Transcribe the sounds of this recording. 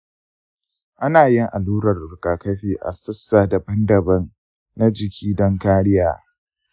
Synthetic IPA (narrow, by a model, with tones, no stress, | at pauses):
ʔa˦naː˨jɪ˦ŋʔa˨luː˦ɾɐ˨rʊ˨kʼaː˨kɐ˦ɸiː˦ʔa̰˨sɐ˦sːaː˨da˨bɐ˦ndɐ˨bɐ˦n | na˦d͡ʒɪ˨kʲʰiː˦dɐ˦ŋkaː˦ɽɪ˦jaː˨